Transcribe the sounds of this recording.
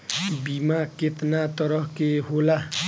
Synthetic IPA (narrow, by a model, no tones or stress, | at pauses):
bimaket̪nat̪ʌɾʌɦkeɦola